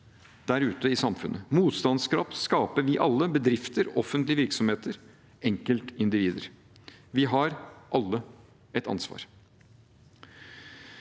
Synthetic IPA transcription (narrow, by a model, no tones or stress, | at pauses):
d̪̥æɾʉːt̪əɪsɑmfʉnʔəmuːt̪st̪ɑnskʰɾɑ̰ːp̪skɑːpəɾʋɪʔɑlːəbəd̪ɾɪft̪əɾɔfːənt̪lɪəʋɪɾksɔmheːt̪əɾ | ɛŋkəlt̪ɪnd̪ɪʋiːd̪əɾ | ʋɪɦɑɾʔɑlːə | ɛt̪ɑ̰nsʋɑ̰ːɾ